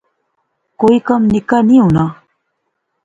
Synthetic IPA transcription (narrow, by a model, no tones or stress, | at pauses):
koikʌmnɪkaniɦuna